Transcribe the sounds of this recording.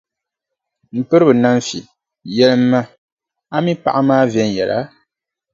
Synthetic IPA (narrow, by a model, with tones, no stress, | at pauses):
m̩˨pɨ˦ɾɨ˦bɨ˨na˦m˦fḭ˨ | jɛ˦lɨ˦mːa˦ | a˦mi˦pa˨ʔa˦maː˦vjɛ˦n˨jɛ˨la̰˦